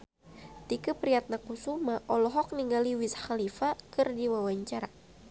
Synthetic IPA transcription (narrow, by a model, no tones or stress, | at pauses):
t̪ikəpɾiat̪̚nakusumaʔɔlɔɦɔk̚niŋɡaliwisxalifakɨrdiwawaɲt͡ʃaɾa